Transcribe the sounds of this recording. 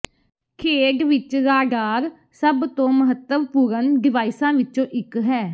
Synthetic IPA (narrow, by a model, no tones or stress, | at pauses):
kʰeːɖʋɪt͡ʃɾaːɖaːɾ | səbt̪õːməɦət̪ːəʋpuːɾənɖɪʋaːɪsãːʋɪt͡ʃõːʔɪkɦɛː